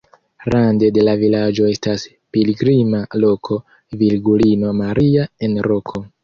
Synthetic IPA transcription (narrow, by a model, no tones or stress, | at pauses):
ɾande̞de̞lavilad͡ʒo̞e̞stas | piliɡɾimalo̞kʰo̞ | vilɡulino̞maɾiae̞nɾo̞kʰo̞